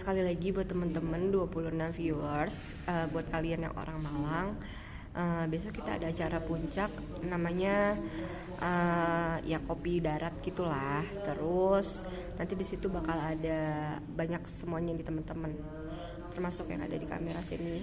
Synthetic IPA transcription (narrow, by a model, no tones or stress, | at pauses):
sə̥kalilaɡibuat̪ːəmənt̪əmənduapulʊnamfiuərs | ʔəbuat̪̚kalianja̰ŋʔo̰ɾaŋmalaŋ | ʔəbias̬okit̪a̰ːdaːt͡ʃaɾapuɲt͡ʃak̚ | namaɲa | ʔəjakopidaɾat̪̚ɡit̪ulaht̪əɾʊs | nant̪idisit̪ubakalada | baɲaksəmuaɲadit̪əmənt̪əmən | t̪ərmasʊkja̰ŋa̰dadika̰meɾasinɪ